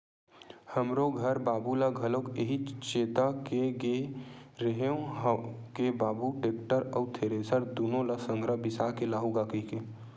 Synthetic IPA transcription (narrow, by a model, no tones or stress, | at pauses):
həmɾoɡʱəɾbaːbulaɡʱəlokeɦit͡ʃeːt̪akeɡeɾeɦeõ | kebaːbuʈeːk̚ʈəɾɔːt̪ʰeːɾesəɾd̪unõlasə̃ŋɡɾəbɪsakelaːɦuɡaːkike